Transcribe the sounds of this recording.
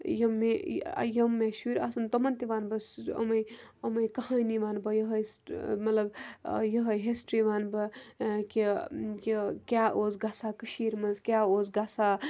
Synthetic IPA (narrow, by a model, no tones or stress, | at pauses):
jɐmːḛjɐmːeʃuɾʲasɐnt̪ɐmɐnt̪iʋaːnbɐsɐ̰mɐjɐmɐjkɐhãjniʋaːnbɐjɐɦɐjsmɐt̪lɐbjɐɦɐjɦesʈɾiʋaːnbɐkekikʲjaːʔoːzɡasakəʃiːɾmɐzkʲaːoːzɡasa